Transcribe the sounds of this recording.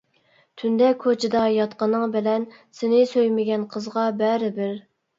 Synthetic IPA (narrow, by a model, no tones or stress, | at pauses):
t̪ʰynd̪ɛkʰːot͡ʃʰɪd̪ɑjɑt̪qənɨŋbɪlɛn | sɪnɪsøjmɪɡʲɛnqʰəzʁɑbɛɾɪbɪɾ